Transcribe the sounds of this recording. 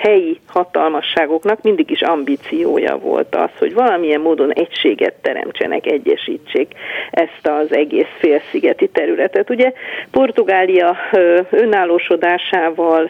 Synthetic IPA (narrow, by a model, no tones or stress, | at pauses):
hɛjihɒt̪ɒlmɒʃːaːɡo̞knɒkmind̪iɡiʃɒmbiːt̪sijo̰ːjɒ̰vo̞̰lt̪ɒ̰sho̞̰ɟvɒlɒmijɛmːoːd̪o̞nɛcʃeːɡɛ̰t̪ːɛɾɛ̰mt͡ʃɛ̰nʔɛ̰kɛɟːɛʃḭːt͡ʃːeːkɛst̪ɒzɛɡeːsfeːlsiɡɛt̪it̪ɛɾylɛt̪ɛt̪uɟɛpo̞rt̪uɡaːlijɒøønaːlːoːʃo̞d̪aːʃaːvɒl